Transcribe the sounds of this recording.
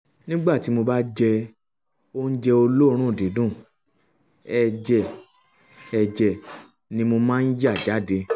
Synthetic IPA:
nĩ˦ɡ͡ba˦˨ti˨˦mo˧ba˦d͡ʒɛ˧ | o˦n̩˦d͡ʒɛ˧o˧lo˦˧ɾ̃ũ˦˨de˨˦dũ˦˨ | ɛ˧d͡ʒɛ˧˨ | ɛ˧d͡ʒɛ˨ | nĩ˧mo˧mãː˦˧n̩˦ja˦˨d͡ʒa˨˦˨de˧

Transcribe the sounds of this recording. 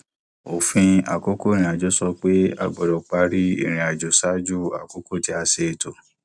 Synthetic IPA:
o˨fĩ˧a̰˨ko˦ko˦˨ɾ̃ĩ˧˨a˨d͡ʒo˦sɔ˧k͡pe˦a̰˧ɡ͡bɔ˨ɾɔ˨k͡pa˧ɾi˦ḭ˦˨ɾ̃ĩ˨a˨d͡ʒo˨˦sa˦d͡ʒu˦a̰˨ko˦ko˦˨ti˨˦a˧se˨to˨

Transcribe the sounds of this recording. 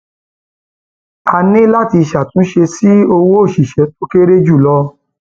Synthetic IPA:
a˧nĩ˦la˦˨ti˧ʃa˨tũ˨˦ʃe˧si˦o˧wo˦o˦˨ʃi˨ʃɛ˨˦to˦ke˦ɾe˦d͡ʒu˦˨lɔ˧˦

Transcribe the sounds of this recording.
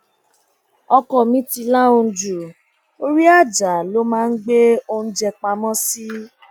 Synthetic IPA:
ɔ˧kɔ˨mĩ˨˦ti˧la˦o˧˨d͡ʒu˨ | o˦ɾi˦a˦˨d͡ʒa˨˦˨lo˦mãː˦˧n̩˦ɡ͡be˦o˧n̩˦d͡ʒɛ˧k͡pa˧mɔ̃˦si˦

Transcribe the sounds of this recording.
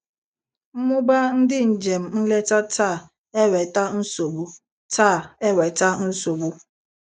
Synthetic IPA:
m̩˦mʊ˦ba˦n̩˦dɪ˦n̩˨d͡ʒe˨m̩˨n̩˦le˦ta˦taː˦˨ | e˦wɛ˨ta˦n̩˦so˨bu˦ | ta˦˨e˦wɛ˨ta˦n̩˦so˨bu˦

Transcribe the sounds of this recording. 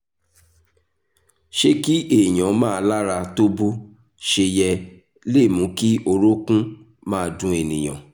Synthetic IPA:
ʃe˦ki˦e˨j̃ã˨˦mãː˦˧˦la˦ɾa˧to˦bu˦ | ʃe˧jɛ˧ | le˦˨mũ˨˦ki˦ʔo˧ɾo˦kũ˦ | mãː˦˧˨dũ˨˦e˨nĩ˨j̃ã̰˨

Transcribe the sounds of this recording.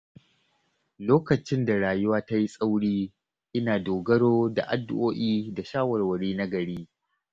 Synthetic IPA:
loː˦kɐ˨t͡ʃɪ˦nda˨ɽaː˨jʊ˦waː˦ta˦ji˦sʼa˦wɽiː˦ | ʔɪ˦naː˨doː˨ɡɐ˦ɽoː˦da̰˨ʔa˨dːʊ˦ʔoː˦ʔiː˦da˨ʃaː˦wɐ˨rwɐ˨ɽiː˦na˦ɡɐ˨ɽiː˦

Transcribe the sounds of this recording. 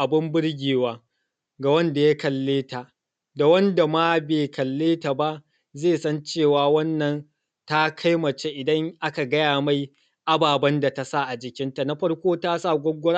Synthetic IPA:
ʔa˨bɪ˦mbɪ˦ɽɡʲeː˨waː˦ | ɡa˨wɐ˦nda˨ja˦kɐ˨lːeː˦ta˨ʔ | da˨wɐ˦nda˨ma˦beː˨kɐ˨lːeː˦ta˨ba˦ʔ | zeː˦˨sɐ˦nt͡ʃeː˦˨waː˨wɐ˦nːɐ˨n | ta˦kʰa˦jmɐ˨t͡ʃe˦ʔɪ˨dɐ˦ŋʔa˦ka˨ɡɐ˦jaː˨ma˦j | ʔa˦baː˨bɐ˦nda˨ta˨sa˦˨ʔa˨d͡ʒɪ˨kʲɪ˦nta˨na˦ɸɐ˦ɽkʷoː˦taː˦sa˦˨ɡʷɔ˦ɡʷʊ˦ɽa˦

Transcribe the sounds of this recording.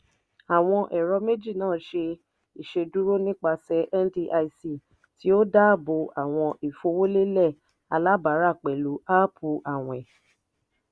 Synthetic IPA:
a˨w̃ɔ̃˧ʔɛ˨ɾɔ˧me˦d͡ʒi˦˨nãː˦˨˦ʃe˧ | i˨ʃe˧du˦ɾo˦nĩ˦k͡pa˧sɛ˧˦ʔɛ˦ndi˧˦ʔa˧i˦˧si˦˨ | ti˨˦o˦da˦˨bo˧ʔa˨w̃ɔ̃˧ʔi˨fo˧wo˦le˦lɛ˦˨ | a˧la˦ba˨˦ɾa˦˨k͡pɛ˨lu˨˦ʔa˦pʰu˧ʔa˨w̃ɛ̃˨

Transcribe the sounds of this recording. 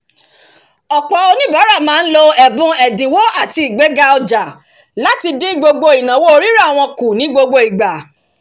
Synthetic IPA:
ɔ˨k͡pɔ˨o˧nĩ˦ba˨˦ɾa˦˨mãː˨˦n̩˦lo˧ɛ˦˨bũ˦ɛ˨dĩ˨wo˦a˦˨ti˧i˨ɡ͡be˨˦ɡa˧ɔ˧d͡ʒa˨ | la˦ti˧di˦ɡ͡bo˧ɡ͡bo˧i˨nã˨˦wo˦o˧˦ɾi˦ɾa˦˨w̃ɔ̃˧ku˨nĩ˨˦ɡ͡bo˧ɡ͡bo˧i˨ɡ͡ba˨

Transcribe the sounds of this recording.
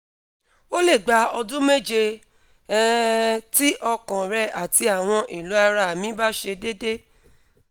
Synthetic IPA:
o˦le˦˨ɡ͡ba˧ɔ˧dũ˦me˦d͡ʒe˧˦ | ti˦ʔɔ˧kã˨ɾɛ˧a˨ti˧a˨w̃ɔ̃˧ʔi˨lu˨˦a˧ɾa˧˨mĩ˨˦ba˦ʃe˧de˦de˦

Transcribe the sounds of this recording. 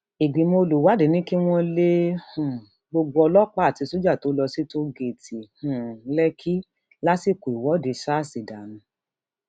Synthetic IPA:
i˨ɡ͡bi˨mo˧lu˨wa˨˦di˨˦nĩ˦ki˦w̃ɔ̃˦le˦hũ˨ | ɡ͡bo˧ɡ͡bo˧ɔ˧lɔ˦k͡pa˦a˨ti˧so˦d͡ʒa˦˨to˨˦lɔ˧si˦to˦ɡe˦˨tʰi˨hũ˨˦lɛ˦kʰi˦ | la˦si˦˨ko˨i˨wɔ˨˦de˧˦ʃa˦˨si˨da˨nũ˧˦

